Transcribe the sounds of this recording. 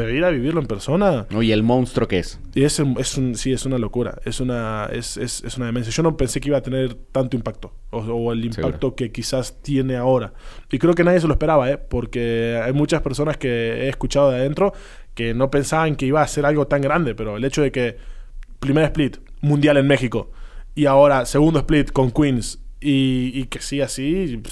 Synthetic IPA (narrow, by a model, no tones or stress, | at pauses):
eiɾaβiβ̞iɾloe̞mpe̞ɾso̞naoielmõ̞nst̪ɾo̞kees | esee̞sunsie̞sunalo̞kuɾa̰e̞sunaḛsḛse̞sunaðeme̞ns̬jaʒo̞no̞pe̞nsekeiβat̪e̞ne̞ɾt̪ant̪oimpak̚t̪o̞ | ooelimpakt̪o̞ke̞kisast̪je̞ne̞ao̞ɾaikɾe̞ok̬enaðjes̬e̞lospeɾaβaepo̞ɾkeajmut͡ʃaspe̞ɾso̞naske̞ḛːskut͡ʃaðo̞ðeaðent̪ɾo̞ | ke̞no̞pe̞nsaβaŋke̞iβaːse̞ɾalɣo̞t̪aŋɡɾand̪e̞pe̞ɾo̞ele̞t͡ʃo̞ð̞e̞ke̞ | pɾimeɾae̞split̪mũnd̪jale̞nme̞xiko̞iao̞ɾase̞ɣund̪oesplit̪ko̞ŋkwinsiːke̞siasi